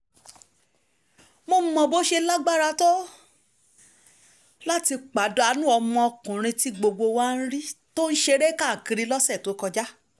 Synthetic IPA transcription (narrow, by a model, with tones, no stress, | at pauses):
mo˧m̩˨mɔ̃˨bo˨˦ʃe˧la˦ɡ͡ba˦˨ɾa˧tɔ˦ | la˦ti˧k͡pa˨˦do˨˦a˧nũ˦ɔ˧mɔ̃˧ɔ˧kũ˨ɾ̃ĩ˧ti˦ɡ͡bo˧ɡ͡bo˧waː˦˧ñ̩˦ɾi˦to˦n̩˦ʃe˧ɾe˦ka˦˨kĩ˧ɾi˧lɔ˦sɛ˦˨to˨˦kɔ˧d͡ʒa˦